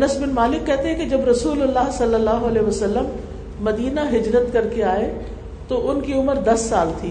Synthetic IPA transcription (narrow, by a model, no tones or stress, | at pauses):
ɐnəsbɪnmaːlɪkːɛɦt̪eɦɛ̃ked͡ʑɐbɾɐsuːlʊlːaɦsɐlːəlːaːɦʊɐlɛːʋɐsɐlːəmː | ɐd̪iːnaɦɪd͡ʒɾət̪kɐɾkeaːe | t̪oʔʊnkiʊməɾd̪ɐsːaːlt̪ʰiː